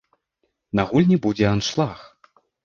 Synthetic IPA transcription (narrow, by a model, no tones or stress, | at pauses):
nɐɣulʲnʲibud͡zʲɛanʂlˠax